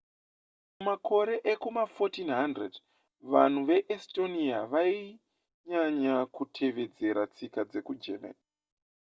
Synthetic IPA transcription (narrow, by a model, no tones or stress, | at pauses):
mumakʰo̞ɾe̞ʔekumafotinɦandred | ʋan̤uʋe̞ʔesto̞niaʋai | ɲaɲakutʰe̞ʋe̞d͡ze̞ɾat͡sikad͡ze̞kud͡ʒema̰ni